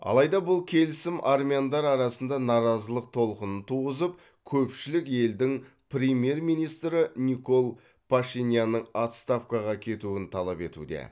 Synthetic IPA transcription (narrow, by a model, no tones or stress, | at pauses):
ɑ̰lˠɑjd̪ɑbʊlˠkʲʰe̞lɪsɪmʔarmʲijand̪ɑɾɑɾɑsənd̪ɑnɑɾɑzəlˠəq̚t̪ʰo̞lˠqənənt̪ʰuʁəzəp̚ | kʲʰɵpʃɪlɪke̞ld̪ɪŋ | pɾʲemje̞rmijnijst̪ɾɪniko̞lˠ | pʰaʃinʲjanːəɴat̪st̪afkɑʁɑkʲʰe̞t̪uɪnt̪ʰɑlˠɑpe̞t̪ṵd̪e̞̰